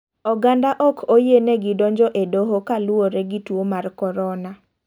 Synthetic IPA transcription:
ɔɡandaʔɔkʰojeneɡɪdɔɲd͡ʒɔʔedoɦokalʊoɾeɡitwomarkɔɾɔna

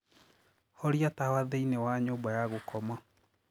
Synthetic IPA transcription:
hɔɾiatawaðeinewaɲoːbajaɣokʰɔma

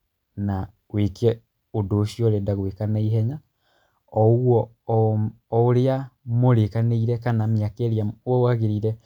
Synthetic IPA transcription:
na | wekɛ | odoʃiɔɾedaɣwekanaiɦɛɲa | ɔoɣwɔ | oɾeamoɾekaneiɾɛkanameakeɾeamwɔwaɣeɾiɾɛ

